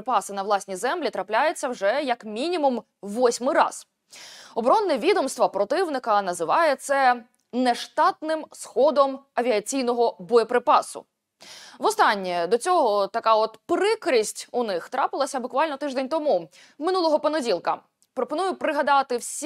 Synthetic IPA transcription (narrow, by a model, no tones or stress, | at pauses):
pɑsɪnɐʋlˠɑsʲnʲizɛmlʲit̪ɾɐplʲajet͡sʲːɐwʒɛjɐkmʲinʲimum | ʋɔsʲmɪɾɑ̰z̥ | ɔbɾɔnːɛʋʲid̪ɔmst̪ʋɐpɾɔt̪ɪʋnɪkɐnɐzɪʋɑjɛt̪sɛ | nɛʃt̪ɑt̪nɪmsxɔd̪ɔmɐʋʲiɐt͡sʲijnɔɦɔbɔjɔpɾɪpɑsʊ̰ | ʋɔst̪ɑnʲːɛd̪ɔt͡sʲɔɦɔt̪ɐkɑɔt̪pɾɪkɾʲisʲtʲʊnɪxt̪ɾɑpɪlˠɐsʲɐbʊkʋɑlʲnɔt̪ɪʒd̪ɛnʲt̪ɔmu | mɪnulˠɔɦɔpɔnɔdʲilˠkɐ̰ | pɾɔpɔnujʊpɾɪɦɐd̪ɑt̪ɪwsʲ